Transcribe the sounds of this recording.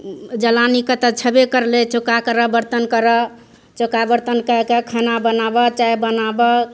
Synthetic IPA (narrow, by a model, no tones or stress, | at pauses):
d͡ʒəlanikət̪ət͡ʃʰəbekəɾlet͡ʃokakəɾəbəɾt̪ənkəɾə | t͡ʃokabəɾt̪ənkəkekʰənabənabət͡ʃajbənabə